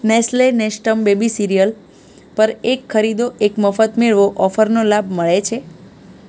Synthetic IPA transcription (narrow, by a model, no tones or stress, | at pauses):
nɛslenesʈəmbebisiɾijəl | pəɾekʰːəɾid̪oʔekməfət̪meɭʋoʔɔfəɾnolabməɭet͡ʃʰe